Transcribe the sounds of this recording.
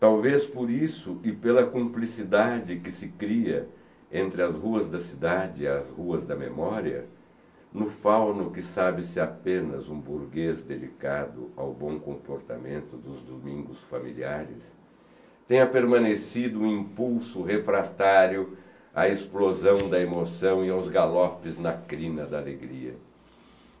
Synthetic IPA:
t̪awvespʊɾisʊʔɪpelɐkõmplisid̪ad͡ʒɪkɪsɪkɾiɐ̰ | ẽnt̪ɾɪɐzhuɐzd̪ɐsid̪ad͡ʒɪːɐzhuɐzd̪ɐmḛmɔɾiɐ̰ | nʊfawnʊkɪsabɪsɪapẽnɐzũbuɾɡezd̪ed͡ʒikad̪ʊ̰awbõw̃kõmpoɾt̪a̰mẽnt̪ʊd̪ʊzd̪omĩŋɡʊsfamilḭaɾɪ̰s | t̪ẽj̃ɐpeɾmɐ̃nesid̪ʊũĩmpuwsʊɦefɾat̪aɾjʊ | ɐesplozɐ̃w̃d̪ɐemosɐ̃w̃ɪawzɡalɔpɪznɐkɾĩnɐd̪ɐaleɡɾiɐ̰

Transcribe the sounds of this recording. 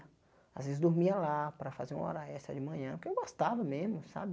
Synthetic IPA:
a̰zvezɪzd̪oɾmiɐlapɾɐfazeɾũɔ̰ɾɐɛst̪ɾɐ̰d͡ʒɪmɐ̃ɲɐ̃pʊɾkewɡost̪avɐmezmʊsa̰bɪ

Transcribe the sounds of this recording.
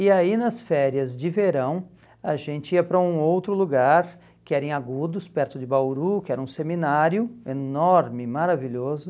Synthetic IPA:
ɪainɐsfɛɾjɐzd͡ʒɪveɾɐ̃w̃ | aʒẽnt͡ʃɪiɐpɾɐũowt̪ɾʊluɡaɾ | kɪɛɾẽj̃aɡud̪ʊspɛɾt̪ʊd͡ʒɪbawɾukɪɛɾɐũseminaɾjʊenɔɾmɪmaɾaviʎɔzʊ

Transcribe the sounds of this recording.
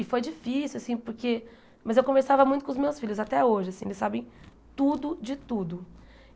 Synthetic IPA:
ɪfojd͡ʒifisiuwasĩpʊɾke | mɐzewkõveɾsavɐmũj̃t̪ʊkõʊzmewsfilʎʊzat̪ɛoʒɪasĩelɪsabẽj̃ | t̪ud̪ʊd͡ʒɪt̪ud̪ʊ

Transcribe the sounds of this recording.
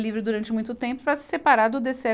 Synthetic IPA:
livɾɪd̪uɾɐ̃nt͡ʃɪmũj̃t̪ʊt̪ẽmpʊpɾɐsɪ̥sepaɾaɾd̪ʊd̪esɛ

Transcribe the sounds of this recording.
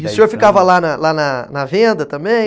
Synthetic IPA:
ɪʊsĩoɾfikavɐlanɐlanɐnɐvẽnd̪ɐt̪ɐ̃mbẽj̃

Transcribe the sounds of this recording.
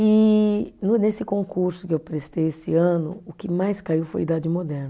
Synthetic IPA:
ɪnʊnesɪkõŋkuɾsʊkɪewpɾest̪ejesɪɐ̃nʊ̰ʊkɪmajskaiwfo̰jid̪ad͡ʒɪmod̪ɛɾnɐ

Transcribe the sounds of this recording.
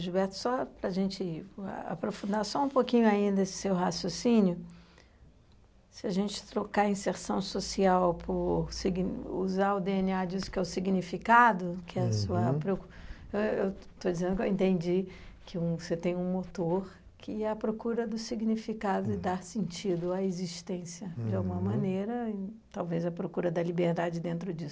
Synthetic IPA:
ʒubɛɾt̪ʊ̥sɔpɾɐʒẽnt͡ʃɪ̰a̰pɾofũnd̪asɔũpokĩɲʊaĩnd̪ɐesɪ̥sewɦasjosĩnjʊ | sɪaʒẽnt͡ʃɪ̥t̪ɾokaĩseɾsɐ̃w̃sosiawpʰʊɾsiɡṵzaʊd̪eeniad͡ʒisʊ̥kɛʊsiɡnifikad̪ʊkɪɛɐsuɐpɾeku | ewew | t̪od͡ʒizẽd̪ʊkewẽnt̪ẽnd͡ʒikʰɪũvoset̪ẽj̃ũmot̪oɾ | kʰɪɛɐpɾokuɾɐd̪ʊsiɡnifikad̪ʊɪd̪aɾsẽnt͡ʃid̪ʊaeziʃt̪ẽsjɐd͡ʒɪawɡũmɐmɐ̃neɾɐɪt̪awvezɐpɾokuɾɐd̪ɐlibeɾd̪ad͡ʒɪd̪ẽnt̪ɾʊd͡ʒisʊ

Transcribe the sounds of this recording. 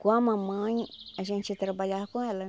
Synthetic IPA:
kʷãmãmãɲaʒẽnt͡ʃit̪ɾabaʎahkõela

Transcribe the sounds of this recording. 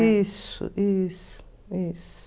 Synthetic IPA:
isṵʔis | is

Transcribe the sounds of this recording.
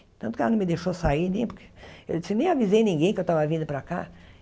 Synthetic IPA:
t̪ɐ̃t̪ʊkanɐ̃mɪd̪eʃosainẽj̃pʊɾkʰe̥ewsɪnẽj̃avizejnĩŋɡẽj̃kɪewt̪avɐvĩnd̪ʊpɾaka̰

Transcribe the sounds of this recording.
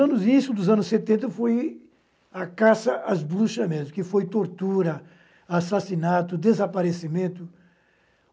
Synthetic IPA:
ɐ̃nʊznisʊd̪ʊzɐ̃nʊsːet̪ẽnt̪ɐfoj | akasɐʔazbluʃɐmẽd̪ʊskɪfojt̪oɾt̪uɾɐ | asasinat̪ʊd̪ezapaɾesimẽnt̪ʊ

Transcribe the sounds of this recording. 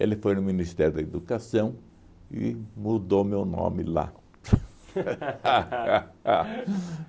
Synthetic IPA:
elɪfojnʊminist̪ɛɾjʊd̪ɐed̪ukasɐ̃w̃ | ɪ̰mud̪owmewnõ̰mɪla̰

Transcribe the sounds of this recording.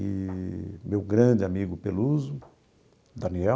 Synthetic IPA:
i | mewɡɾɐ̃d͡ʒɪamiɡʊpeluzʊ | d̪ɐniɛ

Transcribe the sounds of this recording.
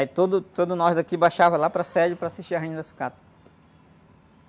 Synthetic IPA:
ait̪od̪ʊt̪od̪ʊnɔzd̪akibajʃavɐlapɾɐsɛd͡ʒʊpɾaːsiʃt͡ʃiɐɦẽɐd̪ɐsu̥kat̪ɐ̥

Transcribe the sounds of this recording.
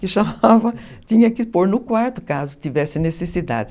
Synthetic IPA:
kɪʃamavɐt̪ĩɲɐkɪpoɾnʊkwaɾt̪ʊkazʊt̪ivɛsɪnesesid̪a̰d̪ɪ

